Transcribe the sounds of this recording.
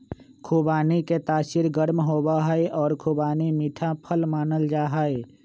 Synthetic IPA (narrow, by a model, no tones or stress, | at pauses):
kʰuːbaːniket̪aːʃɪɾɡəɾmɦoːbaɦɛeʔɔːɾkʰuːbaːnimiːʈʰãpʰəlmaːnəld͡ʒaːɦae